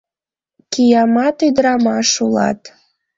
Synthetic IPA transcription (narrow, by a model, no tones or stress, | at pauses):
kijɑmɑt̪yd̪ɾɑmɑʃulɑ̰t̪